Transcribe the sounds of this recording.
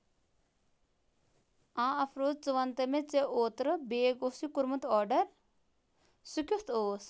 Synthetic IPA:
ãːɐpʰɾoːd̪̚t͡sɨʋɐnt̪ɐmet͡seʔoːt̪ɾɨbeːɡosikuɾmut̪ɔːɾɖɐɾ | sukʲust̪ʰoːs

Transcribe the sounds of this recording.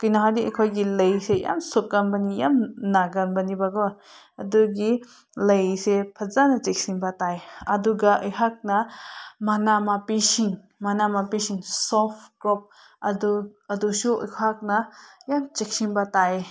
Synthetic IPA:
kɯjnaɦadiʔekʰojɡilɐjseja̰msokːanbanijamnaɡanbanibaɡɔ | ɐduɡi | lɐjsepʰɐzanɐt͡ʃek̚siŋbataeɐduɡaʔɯjhak̚nɐmanamapisiŋ | manamapisiŋsɔpʰkɾɔp̚ | ɐduɐdusuəjkʰak̚nɐjamt͡ʃek̚siŋbatae

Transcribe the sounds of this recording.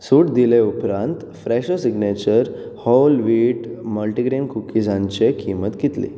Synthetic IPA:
suʈd̪ileupɾãnt̪ | fɾɛɕosiɡnet͡ɕəɾ | hɔlʋiʈməlʈiɡɾenkukid͡zãɲt͡ɕekʰimət̪ɡit̪lḭ

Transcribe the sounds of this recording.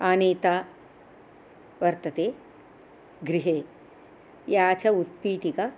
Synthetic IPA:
aːneːt̪aː | ʋɐɾt̪ɐt̪eː | ɡɾiɦeː | jaːt͡ʃʰɐut̪̚piːʈ̪ikɐ

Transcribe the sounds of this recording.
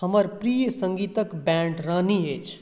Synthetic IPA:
həməɾpɾijəsə̃ŋɡit̪əkbɛɳɖɾəniet͡ʃʰ

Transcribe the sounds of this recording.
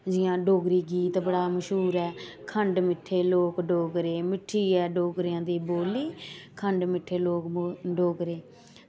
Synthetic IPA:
d͡ʒɪjãːɖoːɡɾiːɡiːt̪bəɽaːməʃɦuːɾɛːkʰəɳɖmɪʈʰːeːloːkɖoːɡɾeːmɪʈʰːiːɛːɖoːɡɾɪjãːd̪iːboːliːkʰəɳɖmɪʈʰːeːloːkːɖoːɡɾeː

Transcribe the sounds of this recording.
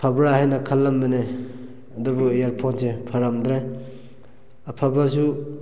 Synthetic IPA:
pʰabɾahajnɐkʰɐlːambene | ɐd̪ubujaɾpʰonsepʰaɾamd̪ɾe | apʰabas̬u

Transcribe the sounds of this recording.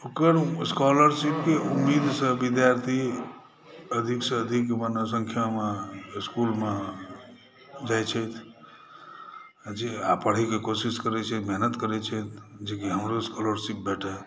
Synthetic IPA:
okəɾskɔləɾsip̚keumːid̪ʱsə̃bid̪jaɾt̪ʰi | əd̪ʱiksə̃əd̪ʱikmənəs̬ə̃ŋkʰjameiskulme | d͡ʒajt͡ʃʰɛt̪ʰ | d͡ʒeapəɽ̤ikekosiskəɾɛt͡ʃʰɛt̪mɛɦnət̪kəɾɛt͡ʃʰɛt̪ʰd͡ʒekiɦəmɾoskɔləɾsip̚bɛʈʰə

